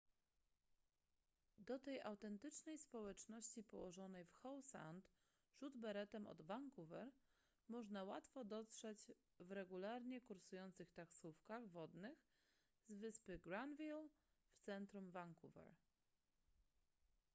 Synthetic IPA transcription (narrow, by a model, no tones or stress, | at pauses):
d̪ɔt̪ɛjawt̪ɛnt̪ɘt͡ʂnɛjspɔwɛt͡ʂnɔɕt͡ɕipɔwɔʐɔnɛjfxɔwsa̰nt̪ | ʐud̪bɛɾɛt̪ɛmɔ̰d̪vaŋkuvɛɾ | mɔʐnawat̪fɔd̪ɔt̪ʂɛd͡ʑ | vɾɛɡulaɾɲɛkuɾsujɔnt̪sɘxt̪aksufkaɣvɔd̪nɘx | zvɘspɘɡɾand̪vʲil | ft̪sɛnt̪ɾumvaŋkuvɛ̰ɾ